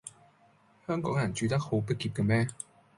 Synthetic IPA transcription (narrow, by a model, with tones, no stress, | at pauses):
hœ˧˥ŋkɔ˨˥˦ŋa˨˩nt͡ɕy˨˥t̪a˥kho˨˥˦pə˥ki˨˩p̚kə˨mɛ˦˥